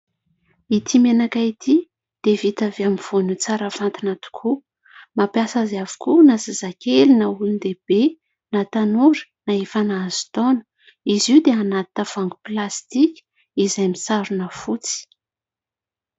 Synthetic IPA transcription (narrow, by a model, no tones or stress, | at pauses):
it̪ʰimenakait̪ʰi | d̪̥evit̪aveamiv̥onut͡saɾəv̥ant̪inat̪u̥kʰu | mapjasazavu̥kunazazakʰelinaulind̪eb̥e | nat̪anuɾə̥naefanaazi̥t̪onə̥ | iziwd̪eanat̪t̪əv̥aŋɡuplast̪ikʲi̥ | izajmisaɾunəfut͡si̥